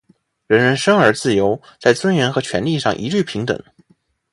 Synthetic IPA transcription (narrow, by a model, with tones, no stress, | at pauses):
ɻə˧˥nɻə˧˥nʂɤ˥ŋə˞˧˥t͡sɹ̩˥˩jo˧˥ʊt͡sa˥˩ɪt͡swə˥nɥɛ˧˥nxɤ˧˥t͡ɕʰɥɛ˧˥nli˥˧ʂɑ˥˩ŋʔi˧˥ʈ͡ʂy˥˩pʰi˧˥ŋt̪ə̰˨˩˦ŋ